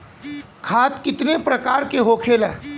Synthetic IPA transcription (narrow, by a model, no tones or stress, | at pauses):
kʰaːt̪kɪt̪nepɾɐkaːɾkeɦoːkʰeːlɛː